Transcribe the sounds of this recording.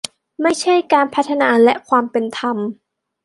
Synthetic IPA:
ma˥˩jt͡ɕʰa˥˩jkaː˧npʰa˦˥t̪ʰːa˧naː˧lɛ̰˦˥kʰwaː˧mpe˧nt̪ʰa˧m

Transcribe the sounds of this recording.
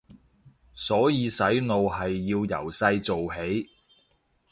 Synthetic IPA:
sɔː˨˥jiː˨˧sɐ˨˥jno˨wɦɐ˨jːiː˧wjɐ̰˨˩wsɐ˧jt͡so˨wɦe˨˥j

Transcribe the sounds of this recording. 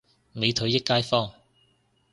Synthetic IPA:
me˨˧jt̪ʰɵ˨˥ɥjɪ˥kːaː˥jfɔː˥˩ŋ

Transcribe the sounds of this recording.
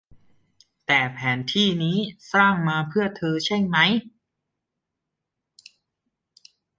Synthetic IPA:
t̪ɛː˨˩pʰɛː˩˦nt̪ʰiː˥˩niː˦˥saː˥˩ŋmaː˧pʰɯ˥˩ɐt̪ʰɤː˧t͡ɕʰe˥˩ŋma˦˥j

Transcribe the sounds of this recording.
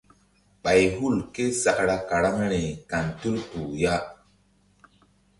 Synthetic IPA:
ɓa˨jɦu˦˨lke˦sa˨ʔɾa˦ka˨ɾa˦m˦ɾi˨ka˨ntu˦lpu˨ja˦

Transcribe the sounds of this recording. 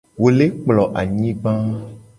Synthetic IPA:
wo˨le˦k͡plɔ˨ʔa˨ɲĩ˦ɡ͡bã˦

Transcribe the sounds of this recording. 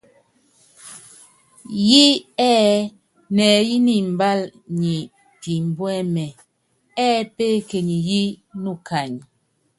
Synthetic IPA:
ji˦ɛː˦ | nɛː˨ji˦ni˦m̩˨ba˦lɲi˨ | pi˨m̩˨bwɛ˦mɛ˨ | ɛː˦pe˦ke˨ɲi˨ji˦nu˦˨kʰa˨ɲ

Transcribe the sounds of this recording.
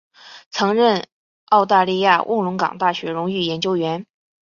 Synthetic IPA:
t͡sʰɤ˧˥ŋɻə˥˩n | ɑ˥˧ʊt̪a˥˧li˥˧ja˥˧wʔʊ̰˥˩ŋlʊ˧˥ŋkɑ̰˨˩ŋt̪a˥˩ɕɥɛ˧˥ɻʊ˧˥ŋy˥˩jɛ˧˥nt͡ɕjo˥ʊɥɛ˧˥n

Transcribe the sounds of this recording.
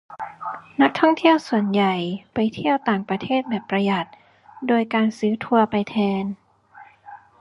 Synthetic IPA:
na˦˥k̚t̪ʰɔ˥˩ŋt̪ʰi˥˩əwsu˨˩ənja˨˩jpa˧jt̪ʰi˥˩əwt̪aː˨˩ŋpɾa˧t̪ʰeː˥˩t̪̚bɛː˨˩pːɾa˧ja˨˩t̪̚ | doː˧jkaː˧nsɯː˦˥t̪ʰu˧ɐpa˧jt̪ʰɛː˧n

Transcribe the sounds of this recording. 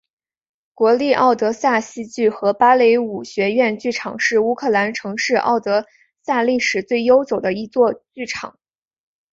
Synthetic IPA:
kwɔ˧˥li˥˧ʔɑ˥˩ʊt̪ɤ˧˥sa˥˩ɕi˥t͡ɕy˥˩xɤ˧˥pa˥le˧˥ɪu˨˩ɕɥɛ˧˥ɥɛ˥˧nt͡ɕy˥˩ʈ͡ʂʰɑ˨˩˦ŋʂɻ̩˥˩u˥kʰɤ˥˩la˧˥nʈ͡ʂʰɤ˧˥ŋʂɻ̩˥˧ʔɑ̰˥˩ʊt̪ɤ˧˥ | sa˥˧li˥˩ʂɻ̩˨˩t͡swe˥˩ɪjo˥ʊt͡so˨˩ʊd̪ə˦i˧˥t͡swɔ˥˧t͡ɕy˥˩ʈ͡ʂʰɑ̰˨˩˦ŋ

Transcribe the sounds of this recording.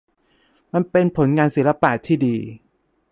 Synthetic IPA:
ma˧npe˧npʰo˩˦nŋaː˧nsiː˨˩˦la˦˥paː˨˩t̪ʰːiː˥˩diː˧

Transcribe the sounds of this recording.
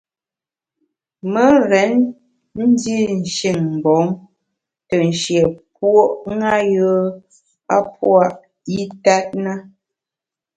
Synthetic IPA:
mə˦ɾɛ˨˦n | n̩˦di˦n̩˨ʃi˨ŋm̩˨bɔ˨˦ŋ | tə˨n̩˨ʃjɛ˨p̚wo˦ʔŋa˦jə˦ | a̰˦p̚wa˦ʔ | i˦ta˦t̚na˦

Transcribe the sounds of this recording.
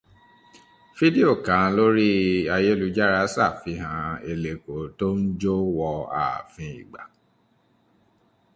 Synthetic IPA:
fi˦de˦o˦˨kã˨˦˨lo˦ɾi˦a˧je˦lu˧d͡ʒa˦ɾa˨˦sa˦˨fi˧˦ɦã˧e˧le˨ko˨to˦n̩˦d͡ʒo˦wɔ˧a̰˨fĩ˧ḭ˨ɡ͡ba˨

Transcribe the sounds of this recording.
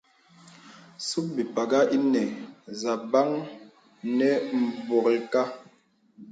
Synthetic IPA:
su˦p̚bi˨pa˨ɡa˦i˦nɛ˨za˨ba˦ŋ | nɛ˨m̩˨bɔ˨ɣi˨ka˦

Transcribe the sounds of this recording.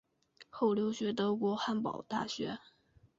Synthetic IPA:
xo˥˩ʊljo˧˥ʊɕɥɛ˧˥t̪ɤ˧˥kwɔ˧˥xa˥˩npɑ̰˨˩ʊt̪a̰˥˩ɕɥɛ˧˥

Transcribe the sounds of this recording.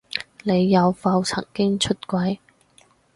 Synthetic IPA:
ne˨˧jːɐ˨˧wfɐ˧wt͡sʰɐ̰˨˩ŋkɪ˥ŋt͡ʃʰɵ˥t̚kʷɐ˨˥j

